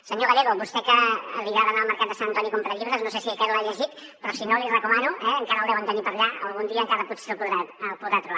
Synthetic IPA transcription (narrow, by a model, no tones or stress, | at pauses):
səɲoɣəɾeðoβust̪ɛkəːliβaðənaəlˠməɾkat̪d̪əsanənt̪ɔnikompɾəʎiβɾəznosesiəkɛɾulaʎəʒit̪ | pɾɔsinolirəkumanuʔɛəŋkaɾəlˠðɛwənt̪ənipəɾʎaəlˠɣund̪iəːŋkaɾəput̪selpuðɾaəlpuðɾat̪ɾuβa